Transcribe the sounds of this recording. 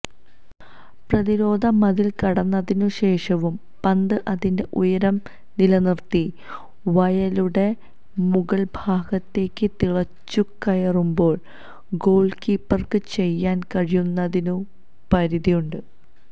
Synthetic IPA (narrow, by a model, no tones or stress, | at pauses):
prɐðiɾo̞ːd̪ʱɐmɐðilkɐɽɐnːɐðinuɕe̞ːʂɐʋum | pɐnd̪ɨʔɐðinde̞ʔujɐɾɐm | nilɐnirt̪ːi | ʋɐjɐluɽe̞ | muɡɐɭbʱaːɡɐt̪ːe̞ːkʲːɨt̪iɭɐt͡ɕːukːɐjɐrumbo̞ːɭ | ɡo̞ːɭɖkiːpːɐrkɨt͡ɕe̞jːaːnkɐɻijunːɐðinu | pɐɾiðijuɳɖɨ